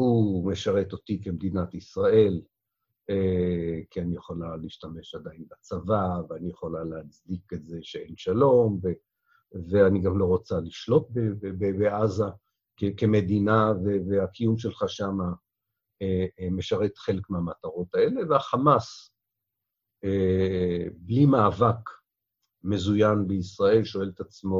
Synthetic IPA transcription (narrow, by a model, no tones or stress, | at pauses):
humeʃaʁe̞t̪o̞t̪ikemed̪inat̪isʁae̞l | ekʰianijeχo̞laliiʃtame̞ʃad̪ainbat͡savaveanijeχo̞laleat͡sdiketze̞ʃee̞nʃalo̞mve | veaniɡamlo̞ʁot͡saliʃlo̞t̪̚bebebeʔaza | kekeme̞d̪inaveveakʰijumʃelχaʃama | eme̞ʃaʁe̞t̪χe̞lekmeamat̪aʁo̞t̪ae̞le̞veaχamas | e | blimaːvak | me̞zujanbeisʁae̞lʃo̞e̞let̪at͡smo